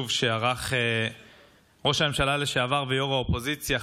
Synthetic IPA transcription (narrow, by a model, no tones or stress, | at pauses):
uvʃeaʁaχe | ʁo̞ʃame̞mʃalaleʃeavaʁvejoʁaopo̞zit͡sja